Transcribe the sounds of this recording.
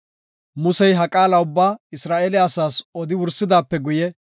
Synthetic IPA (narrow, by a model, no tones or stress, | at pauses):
mʊsɛjɦɐkʼaːlɐʊbːaːɪsɾaːʔɛːlɪːsaːsɔd̪ɪwʊɾsɪd̪aːpːɛɡʊjɛ